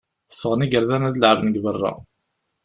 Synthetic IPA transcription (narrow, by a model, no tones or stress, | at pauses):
sːəʁniɡəɾðænæðəlʕəvnəɡvərˤːɑ̰